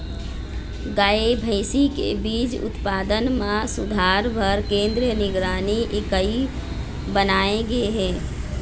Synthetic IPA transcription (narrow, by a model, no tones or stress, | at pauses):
ɡaːebʱəɪsikḛbiːd͡ʒʊ̰t̪paːd̪ənmãsʊd̪ʱaːɾbʱəɾkẽːnd̪ɾijənɪɡɾaːniʔɪkəi | bənaːeɡeɦɛ̃ː